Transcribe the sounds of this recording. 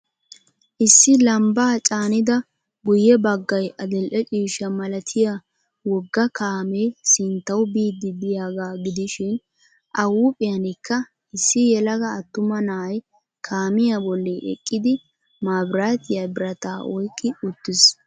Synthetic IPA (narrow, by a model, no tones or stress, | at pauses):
ʔɪsːɪlɐmbaːt͡ʃʼaːnɪd̪ɐ | bʊjɛbɐɡːɐjʔɐd̪ɪlʔɛt͡ʃʼiːʃɐmɐlɐt̪ʰɪja | wɔɡːɐkaːmeːsɪnt̪ːɐwbiːd̪ːɪd̪ɪjaːɡaːɡɪd̪ɪʃɪn | ʔɐwuːpʼɪjɐnɪkːɐ | ɪsːɪjɛlɐɡɐːt̪ːʊmɐnaj | kʰaːmɪjabɔlːɛʔɛ̰kʼːɪd̪ɪ | maːbɾaːt̪ɪjɐbɪɾɐt̪aːʔɔjkʼːɪʊt̪ːɪs